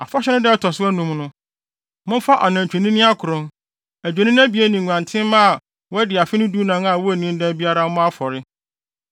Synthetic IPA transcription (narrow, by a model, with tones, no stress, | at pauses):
a˨fa˦ɕɛ˦nɪ̃˦dɛ˦tʰɔ˨sʊ˦æ˦nũ˨mnʊ̃˦ | mʊ̃˦fa˦ʔa˨nã˨t͡ɕᶣe˨nĩ˦nĩ˦a˦kʰʊ˨ɾʊ̃˦n | æ˨d͡ʑᶣe˨nĩ˦n˦ã˦bi˨˦æ˦nĩ˨ŋ˨ɡʷã˨ntʰɪ̃˦mã˦˨ | wɔ˦dɪ˨a˨fɪ˦nʊ̃˦du˦nã˦ŋa˨wɔ˦æ˨nĩ˦n˦dɛ̃˦bi˦a˦ɾa˦mʊ̃˦a˦fɔ˨ɾɪ˦